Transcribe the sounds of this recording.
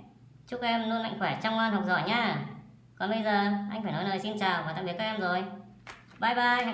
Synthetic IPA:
t͡ɕʊ˦˥kʔɛ˧mnu˧nma̰˧˨ŋ̟xwɛ˧˩t͡ɕa˧wŋ͡mŋaː˧nhwk͡p̚zɔ̰˧˩jɲaː˧ | kɔ˨˦ɓə˧jzəː˨˩ʔa˧jŋ̟faː˧˩jnɔ˨˦jləː˨˩jsi˧nt͡ɕaː˨˩waː˨˩t̪a̰ː˧˨i˨˦kaː˧˥ʔɛ˧mzo˨˩j | ɓaː˧˩jɓaː˧˨

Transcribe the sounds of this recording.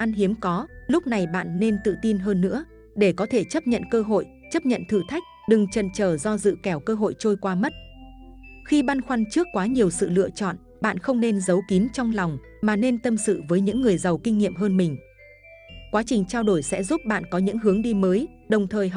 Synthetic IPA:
ʔa˧nɦi˨˦əmkɔ˨˦lʊ˦˥k͡p̚na˨˩jɓa̰ː˧˨nːe˧nt̪ɨ̰˧˨t̪i˧nɦəː˧nːɨ̰˧˥ə | ɗe˧˩kɔ˨˦t̪ʰe˧˩t͡ɕə˦˥p̚ɲə̰˧˨nkəː˧ɦo̰˧˨j | t͡ɕə˦˥p̚ɲə̰˧˨nt̪ʰɨ˧˩t̪ʰa˦˥jk̟̚ɗɨ˨˩ŋt͡ɕə̰˧˨nt͡ɕəː˧˩zɔ˧zɨ̰˧˨kɛ˧˩wkəː˧ɦo̰˧˨jt͡ɕo˧jkwaː˧mə˦˥t̚ | xi˧ɓaː˧nxwa˧nt͡ɕɨ˦˥əkːwaː˨˦ɲi˨˩əwsɨ̰˧˨lɨ̰˧ət͡ɕɔ̰˧˨n | ɓa̰ː˧˨nxə˧wŋ͡mne˧nzə˨˦wki˨˦nt͡ɕɔ˧wŋ͡mla˨˩wŋ͡m | maː˨˩ne˧nt̪ə˧msɨ̰˧˨vəː˨˦jɲɨ̰˧˥ŋːɨ˨˩əjzə˨˩wkï˧ŋ̟ːḭ˧˨əmɦəː˧nmï˨˩ŋ̟ | kwaː˨˦t͡ɕï˨˩ŋ̟t͡ɕaː˧wɗo˧˩jsɛ̰˧˥zu˦˥p̚ɓa̰ː˧˨nkɔ˨˦ɲɨ̰˧˥ŋɦɨ˨˦əŋɗi˧məː˨˦j | ɗə˨˩wŋ͡mt̪ʰəː˨˩j

